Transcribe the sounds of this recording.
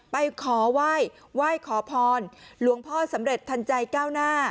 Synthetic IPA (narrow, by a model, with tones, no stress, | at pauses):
pa˧jkʰɔː˩˦waː˥˩j | waː˥˩jkʰɔː˩˦pʰɔː˧nlu˩˦əŋpʰɔː˥˩sa˩˦mɾe˨˩t̪ʰːa˧nt͡ɕa˧jkaː˥˩wnaː˥˩